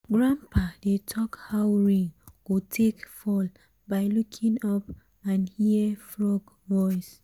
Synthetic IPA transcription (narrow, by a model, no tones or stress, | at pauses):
ɡɹãmpʰadetʰɔkhawɹĩŋɡ̥otʰekfɔl | baɪlukʰĩŋɔp | ãnhifɹɔɡ | vɔɪs